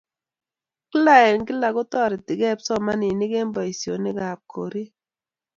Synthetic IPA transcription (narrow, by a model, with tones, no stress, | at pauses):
ki˦la˦˨ɛ˨ŋkɪ˦la˨ɣɔ˦tɔ˦˨ɾɪ˨ti˨ɡɛ˦˨psɔ˦ma˦ni˨ni˦ɡe˦mbɔ˨i˨sjo̰˨nɪ˦ɡa˨p̚kʰo̰˨ɾi˦